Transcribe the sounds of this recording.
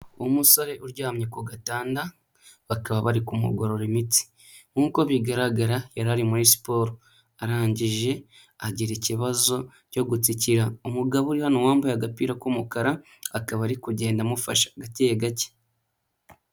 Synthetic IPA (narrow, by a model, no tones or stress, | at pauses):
umusoɾe̞ʔuɾɟaːmɲekoɡataːnda | βakaβaβaɾikumṵɡoɾo̞ɾemit͡si̥ | ŋuːko̞βiɡaɾaɡaɾajaɾaɾimuɾisi̥po̞ɾo | aɾaːɲɟiʒe̞ | aɟiɾiciβazo̞ | co̞ɡut͡siciɾaumuɡaβuɾihano̞waːmbajaɡapiːɾakumukaɾaː | kaβaɾikuɟe̞ːndamufa̰ʃḁɡatejeɡace̥